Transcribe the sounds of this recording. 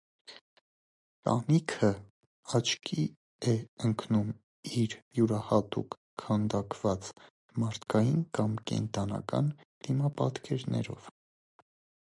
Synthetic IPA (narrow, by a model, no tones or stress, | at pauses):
t̪ɑ̰nikʰə | ɑt͡ʃʰkʰi | ɛəŋkʰnum | iɾjuɾɑhɑt̪ṵkʰː | ɑnd̪ɑkv̥ɑt͡s | mɑɾt̪ʰkɑjinkɑmkɛ̰nt̪ɑnɑ̰kɑ̰n | d̪̥imɑpɑt̪kʰɛɾnʔɛ̰ɾɔ̰v̥